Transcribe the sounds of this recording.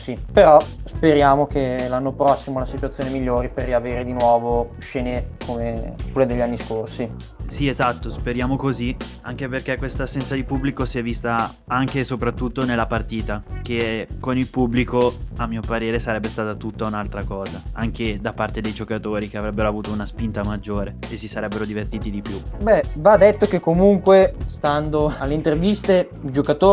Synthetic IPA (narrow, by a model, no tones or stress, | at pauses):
sipeɾɔspeɾjaːmokelanːopɾɔsːimolasit̪wat̪sːoːnemiʎːoːɾiperːiaveːɾed̪inwɔːvo | ʃeːnekʰomekulad̪eʎːanːiskorsi | siezat̪ːospeɾjaːmokozi | aŋk̟eperkekwest̪aːsːɛnt̪sad̪ipubːlikosiɛvist̪a | aŋkesopɾat̪ːut̪ːonelːapart̪iːt̪ak̟ekonilpubːlikoamːiːopaɾeːɾesaɾɛbːest̪aːt̪at̪ut̪ːaunalt̪ɾakɔːzaaŋk̟ed̪apːart̪ed̪ejd͡ʒokat̪oːɾikeavɾɛbːeɾoavuːt̪ounaspint̪amad͡ʒːoːɾeesːisaɾɛbːeɾod̪ivert̪iːt̪id̪ipjubɛvad̪et̪ːok̟ekːomuŋkwest̪and̪oalːeint̪ervist̪e | id͡ʒokat̪oː